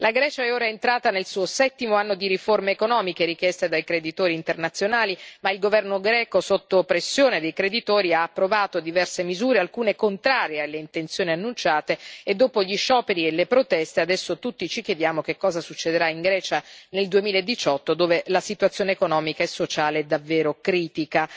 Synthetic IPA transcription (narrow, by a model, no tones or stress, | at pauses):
laɡɾɛːt͡ʃaɛoːɾaɛent̪ɾaːt̪anelsuːosɛt̪ːimoanːod̪iɾiformeːkonɔːmikeɾik̟jɛst̪ed̪ajkɾed̪it̪oːɾiːnt̪ernat̪sːjonaːlimailɡovɛrnoɡɾɛːkosot̪ːopɾesːjoːned̪ejkɾed̪it̪oːɾiaːpːɾovaːt̪od̪ivɛrsemizuːɾealkuːnekont̪ɾaːɾjealːeint̪ent̪sjoːnianːunt͡ʃaːt̪eed̪ːoːpoʎiʃɔːpeɾielːepɾot̪ɛst̪ead̪ɛsːot̪ut̪ːit͡ʃikjed̪jaːmok̟ekːɔːzasut͡ʃːed̪eɾaiŋɡɾɛːt͡ʃaneld̪uemiːlaed̪ːit͡ʃɔt̪ːod̪oːvelasit̪wat̪sːjoːneːkonɔːmikaɛsːot͡ʃaːleɛd̪ːavːeːɾokɾiːt̪ika